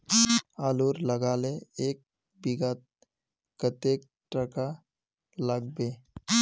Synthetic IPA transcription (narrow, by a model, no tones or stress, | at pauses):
aːluːɾləɡaːleeːk̚ | biɡat̪ | kət̪eːk̚ | ʈɾəka | ləɡ̚beː